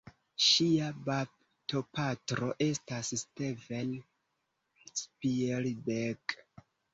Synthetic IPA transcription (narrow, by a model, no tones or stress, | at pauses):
ʃiabab | to̞patɾo̞ʔe̞stassteven | spielbeɡ